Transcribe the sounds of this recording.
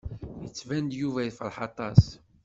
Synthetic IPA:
jət͡sːvænd̪juvæjifəɾˤħɑt̪ˤɑs

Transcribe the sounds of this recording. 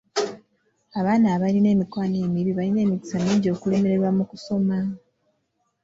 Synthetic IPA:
aβaːnaːβaline̞ːmikwaːneːmiβiβaline̞ːmiti̥samiːɲɟo̞kule̞meɾe̞ɾwamukuso̞ma

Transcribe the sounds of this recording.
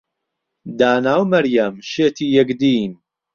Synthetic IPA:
d̪aːnaːwmɐɾjamʃeːt̪iːjɐɡd̪iːn

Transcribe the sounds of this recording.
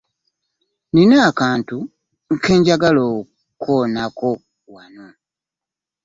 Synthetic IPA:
ninaːkaːntu | ŋ̩kʰe̞ːɲɟaɡalo | kʰoːnako̞ | wano

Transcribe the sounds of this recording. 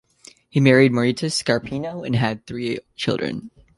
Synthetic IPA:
himɛɹid̚məɹitʰɨskɑɹpʰĩnoʊɨ̃nɨd̪̚θɹit͡ʃʰɪ̰lˠdɹɨ̰̃n

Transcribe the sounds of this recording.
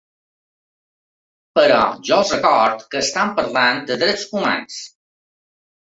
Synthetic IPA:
pəɾɔ̰ʒɔəlˠzrəkɔɾt̪kəːst̪ampəɾland̪əðɾɛt͡suma̰ns

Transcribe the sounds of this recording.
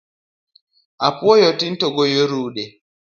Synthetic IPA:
ʔapɔjɔtintɔɡɔjoɾuːɗɛ

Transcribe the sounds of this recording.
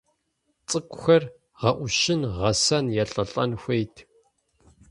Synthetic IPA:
t͡sʼɨkʷʼxɐr | ʁɐʔʷʊʃɪnʁɐsɐnjɛɬʼɐɬʼɐ̰nxʷejtʰ

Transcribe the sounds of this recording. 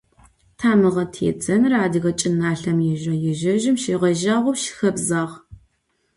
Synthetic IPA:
tʰaːmɨʁɐtʰḛːd͡zʼɐnraːdɨɣɐt͡ʃʼɪnaːɬɐmjɪʒɐjɪʒɐʒɪmʃeːʁɐʒaːʁʷʊpʃɪ̥xɐbzaːʁ

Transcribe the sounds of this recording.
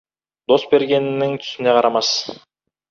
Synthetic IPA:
d̪o̞sbe̞ɾɡʲe̞nnɪŋt̪ʰy̥sineqʰɑɾɑmɑs

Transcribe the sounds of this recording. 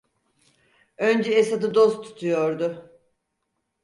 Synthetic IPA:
ønd͡ʒɛesad̪ɯd̪ost̪t̪ʰːu̥t̪ʰujo̞ɾd̪ʊ

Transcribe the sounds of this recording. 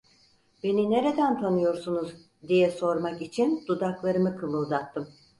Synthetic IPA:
be̞nine̞ɾe̞d̪ænt̪ʰanɯjo̞ɾsunuz | d̪ijɛso̞ɾmakit͡ʃʰind̪ud̪aklˠaɾɯmɯkʰɯmˠulˠd̪at̪ʰːɯm

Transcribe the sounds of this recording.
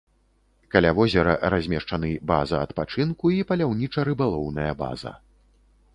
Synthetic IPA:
kalʲavɔzʲɛɾɐ̰ɾazʲmʲɛʂt͡ʂanɨba̰zɐɐt̪pat͡ʂɨnkuipɐlʲawnʲit͡ʂɐɾɨbalˠɔwnɐjɐba̰zɐ̰

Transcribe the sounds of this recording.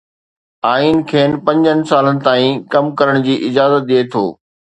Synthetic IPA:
aːiːnkʰeːnpɐ̃ɲd͡ʑənɪ̆saːlənɪ̆t̪aːĩkɐmkɐɾəɽ̃ʊd͡ʑiːʔɪd͡ʑaːzət̪̚ɗiet̪ʰoː

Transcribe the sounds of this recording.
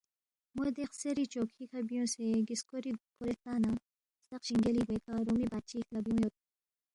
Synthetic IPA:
mod̪eqseɾit͡ʃokʰikʰɐbjõseɡiskoɾikoɾet̪aːna | st̪ɐqɕiŋɡeliwek̪aɾumibad̪̚t͡ɕiːklɐbijõjot̪̚

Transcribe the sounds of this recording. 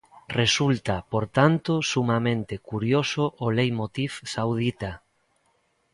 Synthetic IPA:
result̪apoɾt̪ant̪osumamẽnt̪ekuɾjosoʔːlejmot̪ifsawð̞it̪a

